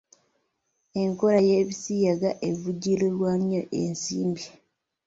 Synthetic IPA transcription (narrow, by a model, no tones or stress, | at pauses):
e̞ŋko̞lajeːβisijaɡaʔevuɟilolwaːɲjoʔḛnsiːmbi